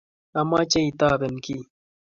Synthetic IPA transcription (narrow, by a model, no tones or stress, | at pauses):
ɐmaːt͡ɕɐit̪aːbenki